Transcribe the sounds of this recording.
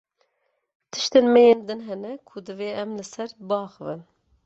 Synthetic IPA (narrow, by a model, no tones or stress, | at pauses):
t̪ʰɨ̥ʃt̪eːnmɛjeːnd̪ɨnɦɛnɛkʰʊd̪ɨveːɛmlɨsɛɾbɨɑːxɨvɨn